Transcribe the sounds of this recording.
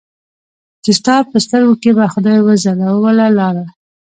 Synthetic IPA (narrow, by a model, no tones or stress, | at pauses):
t͡ʃɪst̪ɑpəst̪əɾɡokebaxʊd̪ɑjwəzalawwalalɑɾa